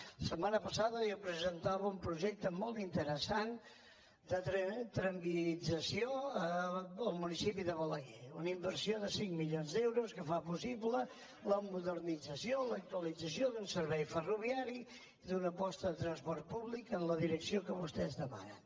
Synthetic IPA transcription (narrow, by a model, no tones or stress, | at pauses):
əsəmanəpəsaðəopɾəzənt̪aβəumpɾuʒɛk̚t̪əmɔlˠt̪int̪əɾəsan | d̪ət̪ɾət̪ɾəmbilid͡zəsioəəlˠmunisipiðəβələɣɛunimbərsioðəsiŋmiʎonzd̪ɛwɾuskəfapusiβlə | ləmuðəɾnid͡zəsiolək̚t̪uəlid͡zəsiod̪unsəɾβɛjfəruβiaɾi | iðunəpɔst̪əðət̪ɾənspɔrt̪̚puβlikənləðiɾəksiokəβust̪ɛzd̪əma̰nə̰n